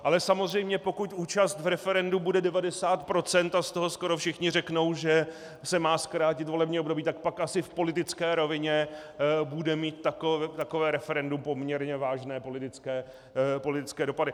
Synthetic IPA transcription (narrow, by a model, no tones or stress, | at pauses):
ʔalɛsamozr̝ɛjmɲɛpo̞kucʔuːt͡ʃast̪vɾɛfɛɾɛndubudɛdɛvadɛsaːt̪pɾo̞t͡sɛnt̪ast̪oɦo̞sko̞ɾo̞fʃɪxɲɪrɛkno̞wʒɛ | sɛmaːskɾaːcɪt̪vo̞lɛbɲiːʔbdobiːt̪ak̚pakʔasɪfpo̞lɪt̪ɪt͡skɛːɾo̞vɪɲɛbudɛmiːt̪ːakoɛt̪akovɛːɾɛfɛɾɛndumpo̞mɲɛɾɲɛvaːʒnɛːpo̞lɪt̪ɪt͡skɛː | po̞lɪt̪ɪt͡skɛːdo̞padɪ